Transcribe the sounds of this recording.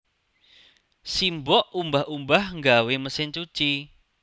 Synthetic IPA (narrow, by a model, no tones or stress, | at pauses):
simbɔʔumbahumbahŋɡaweməsɪɲt͡ʃu̥t͡ʃi